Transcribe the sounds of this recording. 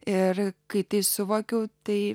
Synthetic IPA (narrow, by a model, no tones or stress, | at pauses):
ɪrkɐɪt̪ɐɪsʊʋoːkʲɛʊt̪ɐɪ